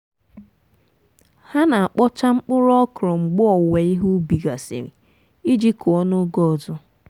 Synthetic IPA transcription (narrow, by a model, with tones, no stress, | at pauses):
ha˦na˨a˨k͡pɔ˦t͡ʃa˦ŋ͡m̩˦k͡pʊ˦ɾɔ˦kɾɔ˨ŋ͡m̩˨ɡ͡bʊ˦ɔ˨we˨i˦ɦu˦bi˨ɡa˨sḭ˨ɾḭ˨ | i˦d͡ʒi˦kʊ˨ɔ˦nʊ˦ɡɔ˦˨zʊ˦